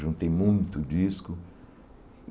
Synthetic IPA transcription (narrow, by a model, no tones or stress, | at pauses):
ʒũt̪ẽj̃mũj̃t̪ʊd͡ʒiskʊ